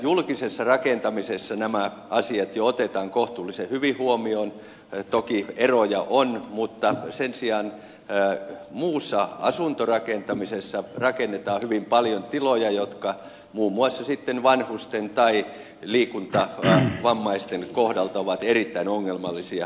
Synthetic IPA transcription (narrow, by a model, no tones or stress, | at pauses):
julkisesːɑrɑkent̪ɑmisesːɑnæmæ | ʔɑsiɑt̪joot̪et̪ɑːŋkoht̪uːlːisehyʋihuomioːn | t̪okierojɑʔonmut̪ːɑsensiɑːn | muːsːɑɑ̰sunt̪orɑkent̪ɑmisesːɑrɑkenːet̪ɑːhyʋimpɑljont̪ilojɑjot̪kɑ | muːmːuɑsːɑsit̪ːenʋɑnhust̪ent̪ɑi | liːkunt̪ɑʋɑmːɑist̪enkohdɑlt̪ɑoʋɑt̪erit̪ːæinoŋːelmɑlːisiɑ